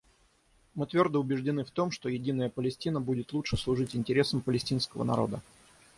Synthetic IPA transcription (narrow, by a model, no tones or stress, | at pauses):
mɨt̪vʲo̞rd̪əʊbʲɪʐdʲɪnɨft̪o̞mʂt̪o̞jɪdʲinəjəpəlʲɪsʲtʲinəbudʲɪt̪lˠutʂɨslˠʊʐɨtʲɪnʲtʲɪɾʲe̞səmpəlʲɪsʲtʲinskəvə̰nɐ̰ɾo̞̰d̪ə